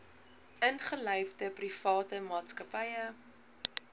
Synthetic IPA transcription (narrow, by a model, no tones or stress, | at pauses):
ənχəlœjvdəprifɑːtəmɑːtskəpɐjə